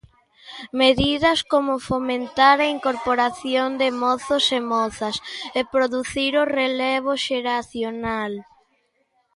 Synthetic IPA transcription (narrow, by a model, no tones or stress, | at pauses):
meðiðɐskomʊfomẽnt̪aɾɐiŋkoɾpoɾaθjond̪ɪmɔθosemɔθɐsepɾoðuθiɾʊreleβ̞ʊʃeɾaθjonal